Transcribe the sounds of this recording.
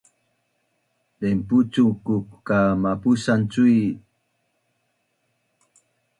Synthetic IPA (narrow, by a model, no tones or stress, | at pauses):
demput͡sukukkamapusant͡sui